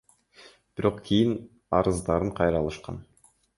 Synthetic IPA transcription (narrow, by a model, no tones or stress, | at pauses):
b̥ɪɾo̞qkʲʰijin | ɑ̰ɾɯzd̪ɑɾɯɴqʰɑjɾɑlˠɯʃqɑ̰n